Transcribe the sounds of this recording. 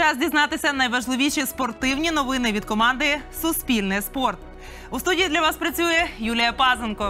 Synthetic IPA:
ɑzʲdʲiznɑt̪ɪsʲɐnɐjʋɐʒlˠɪʋʲiʃʲispɔrt̪ɪwnʲinɔʋɪnɪʋʲid̪kɔmɑnd̪ɪsʊspʲilʲnɪjspɔrt̪̚ | ust̪udʲijid̪lʲɐʋɑspɾɐt͡sʲujɛjulʲɪjɐpɑzenkɔ

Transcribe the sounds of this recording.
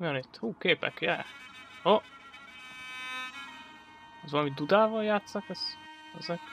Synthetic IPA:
jonit̪ːhuːkeːpɛ̰kjɛ̰ho | ɛzvɒlɒmid̪ud̪aːvɒljaːt̪sɒkɛz̥ | ɛzɛk

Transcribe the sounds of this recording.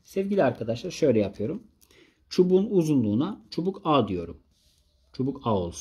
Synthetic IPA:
sɛvɟilʲiaɾkʰad̪aʃlˠaɾɯʃø̞jlʲɛjapʰɯjo̞ɾum | t͡ʃʰubuːnuzunlˠuːnat͡ʃʰobukʰaːd̪ijo̞ɾum | t͡ʃʰobukʰao̞lˠsun

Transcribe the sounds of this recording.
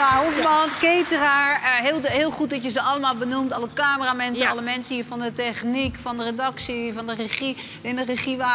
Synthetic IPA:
aɦovmatkeːtəraɦɪːlˠhɪəlˠxut̚dɔtjəzəɔlˠəmaːlˠbənumtɔləkaːməramɛnsəɔləmɛnsəiəfɔndətɛχnikfɔndəredɑksifɔndəreχi | ɪndəreχiʋa

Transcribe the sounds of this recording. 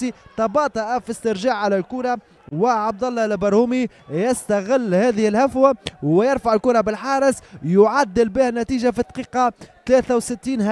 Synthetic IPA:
it̪ɑbɑːt̪ˤɑʔafist̪ɪɾʒaːʕʕalælkuːɾˤɑ | wɪʕɑb̚d̪ɑlːɑlbɑɾˤhuːmi | jɪst̪æɣɪlːhæːðɪhɪlhafwæwɪjɑɾˤfaʕɪlkuːɾˤɑbɪlħɑːɾˤɪsjʊʕad̪ːɪlbɪhnːæt̪iːʒafit̪ɑ̥qiːqɑt̪læːθæwsɪt̪ːiːnh

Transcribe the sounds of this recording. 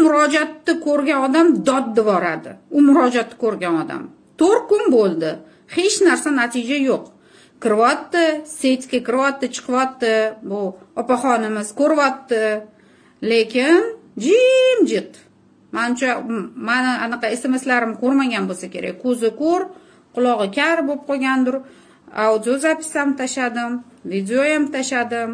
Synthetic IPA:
mʊɾɒd͡ʒat̪ːɪkʰɵɾɡʲanɒd̪amd̪ɒd̪ːɪvɒɾad̪ɪʊmʊɾɒd͡ʒat̪ːɪ̥kɵɾɡʲanɒd̪a̰m | t̪ʰoɾ̚kʊnbolˠd̪ɪ | he̞t͡ʃnaɾsanat̪ʰɪd͡ʒajoq | kʰɪɾvɒt̪ːɪse̞t̪ʲkʲakʲɪɾvɒt̪ːɪt͡ʃʰɨ̥qʰɨvɒt̪ːɪbʊɒpaχɒnɪmɪz̥kʰɵɾvɒt̪ːɪ | le̞kʲɪn | d͡ʒimd͡ʒɪt | manɪmt͡ʃʰamanɪanɨqɑe̞se̞me̞slaɾɪmkʰɵɾmaɡʲanbosakʲʰe̞ɾa̰k̚ʲkʰɵzɪkɵɾ | qʰʊlˠɒʁɨkʲʰaɾbop̚qojɡʲand̪ʊɾ | ad̪ijozapʰɪ̥samt̪ʰaʃad̪ɪmvid̪eojamt̪ʰaʃad̪ɪm

